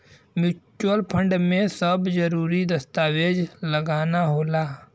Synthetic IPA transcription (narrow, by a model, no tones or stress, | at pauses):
mut͡ʃuəlpʰə̃ɳɖmẽsəbzəɾuːɾid̪ɐst̪aːweːd͡ʒləɡaːnaɦoːlaː